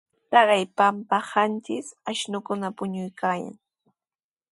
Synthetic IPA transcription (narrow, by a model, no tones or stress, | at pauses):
t̪ɑɢɑjpampahant͡ʃɪsaʃnʊkʊnapʊɲʊjkaːja̰ŋ